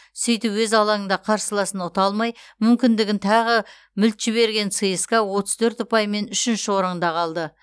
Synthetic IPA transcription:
sijt̪ɪpwɵzɑlˠɑŋəɴd̪ɑqʰɑɾsəlˠɑsənot̪ɑlˠmɑjmʏmkʲɪnd̪ɪɡʲɪnt̪ʰɑʁə | mʏlt̪ʒ̥ɪβe̞ɾɡʲe̞nsəjəskɑwo̞t̪əzt̪ʰɵɾt̪ʊpɑjme̞nʏʃɪnʃɪwo̞ɾəɴd̪ɑqʰɑlˠd̪ə

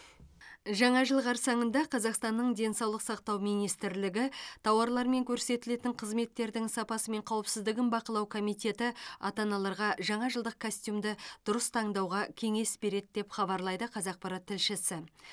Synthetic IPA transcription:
ʒɑɴɑʒəlˠʁɑɾsɑɴənd̪ɑqʰɑzɑqst̪ɑnːəɴd̪e̞nsɑwlˠəqsɑqt̪ɑwmijnijst̪ɪɾlɪɡʲɪt̪ʰɑwɑɾlˠɑɾme̞ŋkʲʰɵɾse̞t̪ɪle̞t̪ɪɴqʰəzme̞t̪ːe̞ɾd̪ɪŋsɑpɑsəme̞ɴqʰɑwəpsɪzd̪ɪɡʲɪnbɑqəlˠɑwkʰo̞mijt̪ʲe̞t̪ɪɑt̪ɑnɑlˠɑɾʁɑʒɑɴɑʒəlˠd̪əq̚kʰosʲt̪ʲjumd̪ɪd̪̥ʊɾəst̪ʰɑɴd̪ɑwʁɑkʲʰe̞ŋe̞sbe̞ɾe̞d̪ɪd̪e̞pχɑbɑɾlˠɑjd̪əqʰɑzɑq̚pɑɾɑt̪ʰːɪlʃɪsɪ

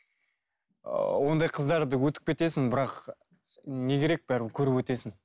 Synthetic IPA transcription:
ə̰wo̞nd̪ɑjqʰəzd̪ɑɾd̪əwɵt̪ɪ̥k̚pʲe̞t̪e̞sɪŋbɪɾɑq | ne̞kʲʰe̞ɾe̞k̚bæɾkʲʰɵɾɪpwɵt̪e̞sɪn

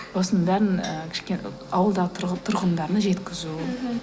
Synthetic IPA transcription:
b̥ɑsənd̪ɑɾənəkʲʰɪ̥ʃkʲen | ɑwəlˠd̪ɑʁət̪ʰʊɾʁənd̪ɑɾnəʒe̞t̪kʲɪzu

